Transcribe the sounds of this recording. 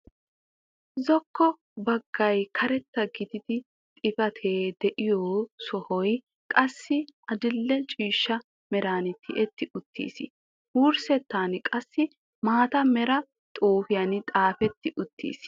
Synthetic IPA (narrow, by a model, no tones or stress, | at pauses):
zɔkʰːɔ | bɐɡːɐjkʰɐɾɛt̪ːɐɡɪd̪ɪd̪ɪ | t̪ʼɪfɐt̪ʰeːd̪ɛʔɪjoːsɔhɔj | kʼɐsːɪɐd̪ɪlːɛt͡ʃʼiːʃːɐ | mɛɾaːnɪt̪ʰɪʔɛt̪ːɪʔʊt̪ːḭːs | huːɾsɛt̪ːaːnkʼɐsːɪ | maːt̪ɐmɛɾɐ | t̪ʼoːfɪjɐnɪt̪ʼaːfɛt̪ːɪʔʊt̪ːḭːs